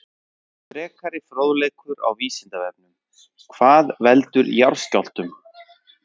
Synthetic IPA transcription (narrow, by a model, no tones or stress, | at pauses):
tɾɛːkaɾɪfɾoːwðlejkʏɾa̰wviːsɪnt̪avɛp̚nʏm | kʰv̥aːðvɛlt̪ʏɾjaɾ̥scawl̥t̪ʏm